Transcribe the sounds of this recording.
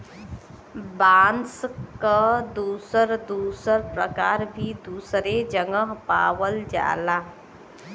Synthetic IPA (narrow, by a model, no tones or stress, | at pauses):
baːnskad̪uːsəɾd̪uːsəɾpɾə̰kaːɾbʱid̪uːsɾed͡ʒəŋɡəɦpa̰ːʋəld͡ʒa̰ːlaː